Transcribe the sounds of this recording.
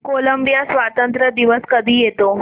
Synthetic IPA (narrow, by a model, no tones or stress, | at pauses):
koləmbijasʋat̪ənt̪ɾəd̪iʋəskəd̪ʱiːjet̪o